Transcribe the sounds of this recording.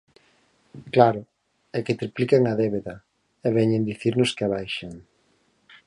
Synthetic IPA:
klaɾʊ | ɛkɪt̪ɾiplikaŋɐðɛβeðɐ | eβɛɲend̪iθiɾnʊskaβajʃaŋ

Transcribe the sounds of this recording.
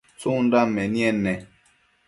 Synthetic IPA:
t͡sundamɛnjɛnːɛ

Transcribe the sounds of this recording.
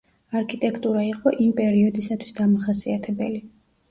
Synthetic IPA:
aɾkʰit̪ʼɛkʰt̪ʼuɾaiqʼɔʔimpʼɛɾiɔd̪isat̪ʰwi̥sd̪amaχasiat̪ʰɛbɛli

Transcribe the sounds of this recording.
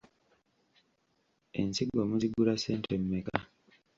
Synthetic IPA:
e̞̰nsiɡwamuziɡuɾaseːntʰemːeka

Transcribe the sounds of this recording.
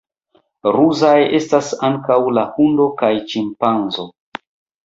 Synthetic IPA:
ɾuzaje̞stasaŋkawlahundo̞kajt͡ʃimpanzo

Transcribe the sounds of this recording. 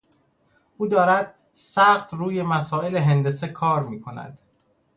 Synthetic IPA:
uːd̪ɒːɾæd̪̥̚ | sæχt̪ʰɾuːje̞mæsɒːe̞leɦend̪e̞sekʰɒːɾmiːkʰo̞næ̰d̪̥

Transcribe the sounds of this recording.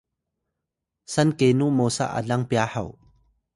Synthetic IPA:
sɐnkenuʔmɔsa̰ʔa̰lɐŋpjahɐ̰w

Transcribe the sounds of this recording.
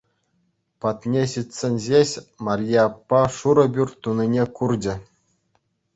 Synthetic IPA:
pɑt̪nʲeɕit̪ʲsʲenʲʑʲeɕʲmɑrʲijɑpːɑʂuɾɤ̆bʲyrʲt̪uninʲekurd͡ʑɘ̆

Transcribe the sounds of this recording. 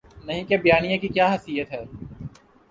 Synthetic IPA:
nɐɦĩkebɐjaːnijãkikjaːɦɐsijət̪ɦɛː

